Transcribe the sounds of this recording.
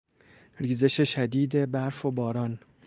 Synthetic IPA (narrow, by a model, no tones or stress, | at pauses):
ɾiːze̞ʃeʃæd̪iːd̪e̞bæɾfobɒːɾɒːn